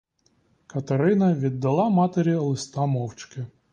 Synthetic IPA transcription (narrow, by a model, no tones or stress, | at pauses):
kɐt̪ɐɾɪnɐʋʲid̪ːɐlˠɑmɑt̪eɾʲilˠɪst̪ɑmɔwt͡ʃkɪ